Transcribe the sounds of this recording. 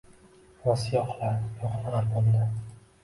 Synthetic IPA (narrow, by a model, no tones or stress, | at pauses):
wɒsjɒqlaɾjɒqlaaɾbolˠd̪a